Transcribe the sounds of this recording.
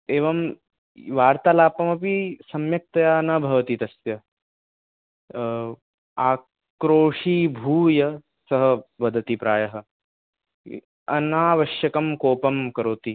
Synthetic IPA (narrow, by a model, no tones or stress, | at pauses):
eːʋɐm | ʋaːɾt̪aːlaːpɐmɐpisɐmjɐk̚t̪ɐjaːnɐbʱɐʋɐt̪it̪ɐsjɐ | aː | kɾoːʂiːbʱuːjɐ | sɐɦɐ̆ʋɐd̪ʱɐt̪ipɾaːjɐɦɐ̆ | ɐnaːʋɐʃjɐkɐmkoːpɐmkɐɾoːt̪i